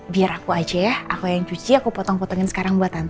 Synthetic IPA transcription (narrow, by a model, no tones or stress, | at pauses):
biaɾakuad͡ʒɛakujaŋt͡ʃut͡ʃiakupɔt̪ɔŋpɔt̪ɔŋɪnsə̥kaɾaŋbuat̪ant̪